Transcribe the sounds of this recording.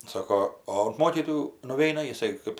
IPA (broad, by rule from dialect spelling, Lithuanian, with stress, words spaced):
ˈsɑːkoː oː ʊnt ˈmoːkʲiːtoːjuː nʊˈʋʲɛɪnɐ jɪˈsɐɪ ˈkɜp